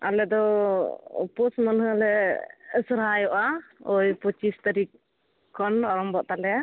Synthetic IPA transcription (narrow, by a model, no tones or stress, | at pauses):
a̰lɛd̪ɔ̰ | pɔsmənɦəlɛ | sɾɦajɔʔaɔjpɔt͡ʃist̪aɾikʰː | ɔnɔɾɔmbɔʔt̪alɛa